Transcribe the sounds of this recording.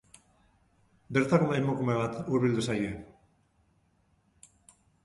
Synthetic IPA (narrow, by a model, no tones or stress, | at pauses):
be̞ɾt̪akunajmokume̞βat̪uɾβild̪usaje